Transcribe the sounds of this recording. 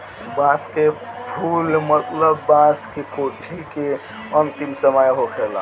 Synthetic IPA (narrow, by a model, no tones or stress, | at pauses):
baskepʰulmət̪ləbːaskekoʈʰike | ənt̪imsəməjɦokʰela̰